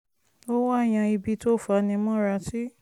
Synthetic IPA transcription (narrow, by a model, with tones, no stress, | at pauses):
o˦wa˦˨j̃ã˧i˧bi˧to˦˨fa˧nĩ˧mɔ̃˦ɾa˧ti˦